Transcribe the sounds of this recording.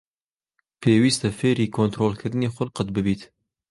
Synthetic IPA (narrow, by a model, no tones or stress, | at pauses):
pʰeːwiːst̪ɛfeːɾiːkʰont̪ɾoːlkʰɨɾɨneːxʷʊlqət̪̚bɨbiːt̪